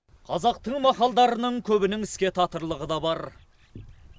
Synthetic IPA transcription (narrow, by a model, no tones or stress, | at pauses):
qʰɑzɑq̚t̪əɴmɑqɑlˠd̪ɑɾənəɴkʲʰɵbɪnɪŋɪskʲe̞t̪ʰɑt̪əɾlˠəʁəd̪ɑbɑɾ